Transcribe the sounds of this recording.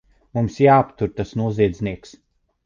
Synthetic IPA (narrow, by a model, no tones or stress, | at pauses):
mumsjaːpt̪uɾt̪asnuɔziɛd̪zʲniɛks